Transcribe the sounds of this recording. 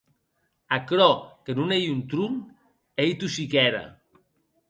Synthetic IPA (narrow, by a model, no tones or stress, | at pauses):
akɾɔkenunejunt̪ɾun | ejt̪usikɛɾa̰